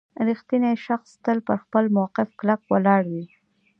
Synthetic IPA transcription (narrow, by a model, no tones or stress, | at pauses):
ɾixt̪inaʃaxst̪əlpəɾxpəlmawqɪfklakwalɑɽwi